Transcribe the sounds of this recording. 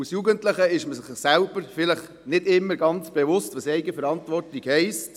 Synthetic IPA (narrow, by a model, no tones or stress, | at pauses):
usjuːɡəntləχəɪʃməsɪχsælb̥əɾfɪləχ | nɪdɪmːəɾɡɑnt͡sb̥ɛvʊstʋɑsɛɪɡəfɛɾɑntʋɔrtiɡhɛɪst